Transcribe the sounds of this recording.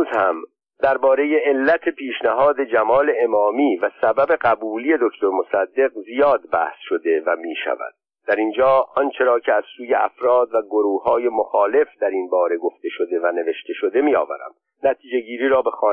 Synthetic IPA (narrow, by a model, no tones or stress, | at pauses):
zhæm | d̪æɾbɒːɾe̞jeelːæt̪ʰe̞pʰiːʃnæɦɒːd̪e̞d͡ʒæmɒːle̞emɒːmiːvæsæbæbe̞ɢæbuːliːje̞d̪o̞cʰt̪ʰoɾmo̞sæd̪ːe̞qzijɒːd̪̚bæ̰hsʃo̞d̪e̞væmiːʃæ̰væ̰d̪̥̚ | d̪̥æɾind͡ʒɒːɒnt͡ʃʰe̞ɾɒːcʰeæz̥suːjeʔæ̰fɾɒːd̪væɡoɾuːhɒːje̞mo̞xɒːle̞fd̪̥æɾinbɒːɾe̞ɡo̞ft̪e̞ʃo̞d̪e̞væne̞ve̞ʃt̪e̞ʃo̞d̪e̞miːɒ̰ːvæ̰ɾæ̰m | næt̪ʰiːd͡ʒe̞ɟiːɾiːɾɒːbe̞xɒː